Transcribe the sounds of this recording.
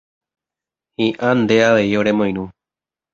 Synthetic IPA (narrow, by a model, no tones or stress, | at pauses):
hĩʔãnd̪e̞aʋe̞io̞ɾe̞mõj̃ɾũ